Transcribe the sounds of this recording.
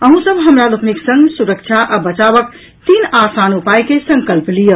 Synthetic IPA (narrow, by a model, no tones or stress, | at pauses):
əɦũsəbɦəmɾalupniksə̃ŋɡsuɾəkt͡ʃʰaʔabət͡ʃaβək | t̪inasanupajkesə̃ŋkəlplijə